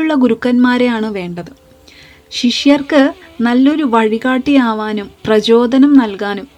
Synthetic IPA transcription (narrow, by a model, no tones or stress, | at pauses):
uɭːɐɡuɾukːɐnmaːɾejaːɳɨʋe̞ːɳɖɐðɨ | ɕiʂjɐrkɨ | nɐlːo̞ɾuʋɐɻiɣaːʈːijaːʋaːnumprɐt͡ɕo̞ːd̪ʱɐnɐmnɐlkaːnum